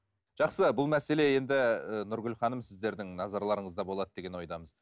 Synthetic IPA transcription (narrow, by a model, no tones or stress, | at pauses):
ʒ̥ɑqsəbʊlˠmæse̞le̞je̞nd̪ɪənʊɾɡʲʏlχɑnəmsɪzd̪e̞ɾd̪ɪŋnɑzɑɾlˠɑɾəɴəzd̪ɑbo̞lˠɑd̪əd̪e̞ɡʲe̞nwo̞jd̪ɑməz